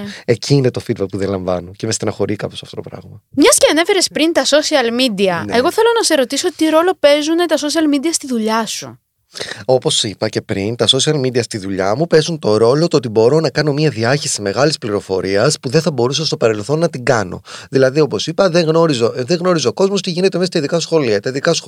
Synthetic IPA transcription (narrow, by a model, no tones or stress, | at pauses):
e̞cʰiːne̞t̪o̞fid̪bɐk̚puðenlɐɱvɐ̰noce̞mest̪enɐxo̞ɾikɐpo̞sɐft̪otopɾɐ̰ɣmɐmɲɐsceɐne̞fe̞ɾespɾint̪ɐso̞siɐlmid̪iɐneɣo̞θe̞lo̞nɐse̞ɾo̞t̪iso̞t̪iɾo̞lo̞pe̞zunet̪ɐsosiɐlmid̪iɐst̪iðuʎɐsṵ | o̞po̞sipɐce̞pɾint̪ɐso̞siɐlmid̪iɐst̪iðuʎɐ̰mupe̞zunt̪o̞ɾo̞lo̞t̪ot̪ibo̞ɾo̞nɐkɐno̞miɐðiɐçisime̞ɣɐlispliɾo̞fo̞̰ɾiɐspuðe̞nθɐbo̞ɾusɐst̪opɐɾe̞lθo̞nːɐt̪iɡɐno̞̰ðilɐðio̞po̞sipɐðe̞ŋɣno̞ɾizoðe̞ɣno̞ɾizeoko̞zmost̪iʝine̞t̪emeɐt̪ɐiðikɐsxo̞liɐt̪ɐiðikɐs